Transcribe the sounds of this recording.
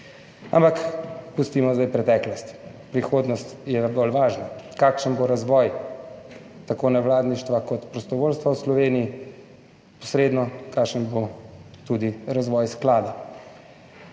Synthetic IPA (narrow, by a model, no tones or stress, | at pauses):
a̰mpakpust̪imɔzd̪ajpɾɛt̪ɛːklɔst̪ | pɾixoːd̪nɔst̪jɛbolʋaːʒnakaːkʃənboɾazʋɔːj | t̪akoːnɛwlaːd̪niʃt̪ʋakɔt̪pɾɔst̪ɔʋoːlst̪ʋawslɔʋeːnii | pɔ̥sɾeːd̪nɔkakʃənbot̪ud̪iɾazʋɔːjsklaːd̪a